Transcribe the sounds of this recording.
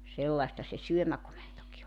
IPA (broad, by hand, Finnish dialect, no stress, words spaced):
selːɑĭstɑ se syømækomentoki